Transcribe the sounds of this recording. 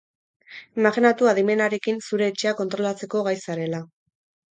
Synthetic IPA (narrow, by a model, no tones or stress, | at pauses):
imaxinat̪uaðime̞naɾe̞kinsuɾe̞ːt͡ʃeako̞nt̪ɾo̞lat͡se̞ko̞ɣajsaɾe̞la